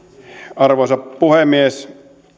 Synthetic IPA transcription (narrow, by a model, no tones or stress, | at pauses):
ɑrʋosɑppuhemies